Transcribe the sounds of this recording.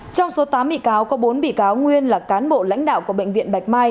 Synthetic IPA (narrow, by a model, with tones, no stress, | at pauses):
t͡ɕɔ˧wŋ͡mso˨˦t̪aː˨˦mɓḭ˧˨kaː˨˦wkɔ˨˦ɓo˨˦nɓḭ˧˨kaː˨˦wŋwi˧ənlaː˨˩kaː˨˦nɓo̰˧˨la̰˧˥jŋ̟ɗa̰ː˧˨wku˧˩əɓḛ˧˨ŋvḭ˧˨ənɓa˨˩jk̟̚maː˧j